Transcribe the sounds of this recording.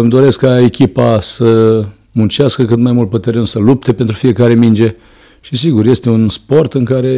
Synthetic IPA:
ɨmd̪o̞ɾe̞skkːae̞kʲipasə | munt͡ʃaskəkɨt̪majmult̪̚put̪eɾensəlup̚t̪e̞pent̪ɾufije̞kaɾe̞mind͡ʒe̞ | ʃisiɡurje̞st̪eunspo̞rt̪ɨŋkaɾe̞

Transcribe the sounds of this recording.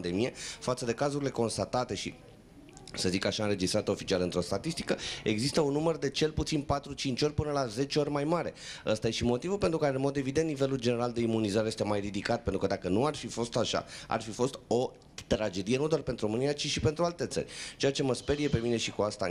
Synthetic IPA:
nd̪emije̞fat̪səd̪e̞kazuɾile̞ko̞nst̪at̪at̪e̞ʃḭ | səzikaʃaɨnɾe̞d͡ʒist̪ɾat̪əo̞fit͡ʃialɨnt̪ɾo̞st̪at̪ist̪i̥kəe̞ɡzist̪əunːumərd̪e̞t͡ʃe̞lput̪sinpat̪ɾut͡ʃint͡ʃʲo̞rʲpɨnəlaze̞t͡ʃeo̞rʲmajmaɾe̞əst̪ajeʃimo̞t̪ivulpe̞nt̪ɾukaɾeɨnmo̞d̪e̞vid̪ent̪nive̞luld͡ʒe̞ne̞ɾald̪e̞imunizaɾeje̞st̪e̞majrid̪ikat̪̚pe̞nt̪ɾukəd̪akənuarfifo̞st̪aʃa̰a̰rfifo̞st̪o̞ | t̪ɾad͡ʒe̞d̪ije̞nud̪owarpent̪ɾuro̞mɨnijat͡ʃiʃipe̞nt̪ɾualt̪e̞t̪sə̰rʲt͡ʃe̞jat͡ʃe̞məspe̞ɾije̞pe̞mine̞ʃikuast̪a

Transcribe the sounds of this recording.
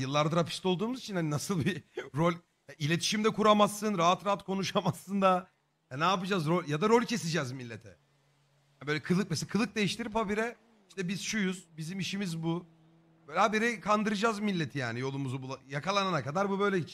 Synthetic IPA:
jɯlˠːaɾd̪aɾapʰist̪o̞lˠd̪uːmuzit͡ʃʰinhaninasɯlˠbiɾo̞lʲ | jaʔilʲe̞t̪ʰi̥ʃimd̪ɛkʰuɾamasːɯnɾaɦat̪ɾaɦat̪kʰo̞nuʃamasːɯnd̪a | janaːpɯd͡ʒaːzɾolʲjad̪aɾo̞lʲcʰe̞sid͡ʒɛzmilʲːet̪ʰɛ̰ | abøjlʲɛkʰɯlˠɯk̚mɛselkʰɯlˠɯk̚d̪ejiʃt̪ʰiɾipabiɾɛ | iʃt̪ɛbiz̥ʃujuz̥bizimiʃimizbu | bøjlʲabeɾɛkʰand̪ɯɾɯd͡ʒaːzmilʲːet̪ʰijaːnijo̞lˠumuzubulˠajakʰalˠananakad̪aɾbubø̞jlʲɛ

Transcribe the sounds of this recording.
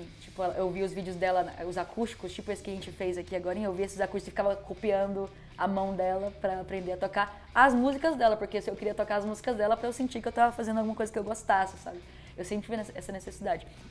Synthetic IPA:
t͡ʃi̥pʊɛlɐʔewviʊzvid͡ʒɪʊzd̪ɛlɐnʊzakʰust͡ʃi̥kʊst͡ʃipʊesɪ̥kɪaʒẽnt͡ʃɪfejzakiaɡɔɾɐẽewviesɪzakuʃt͡ʃɪkskɪfi̥kavɐkopiɐ̃nd̪ʊ | amɐ̃w̃d̪ɛlɐpɾɐapɾẽnd̪eɐt̪okaɾ | ɐzmuzikɐzd̪ɛlɐpoɾkesɪewkɪɾiɐt̪okaɾɐzmuzikɐzd̪ɛlɐpɾɐewsẽt͡ʃikɪewt̪avɐfazẽnd̪ʊawɡumɐkojzɐkɪewɡost̪asɪ̥sa̰bɪ | ewsẽpɪvinɛsɛsɐnesesid̪ad͡ʒɪ

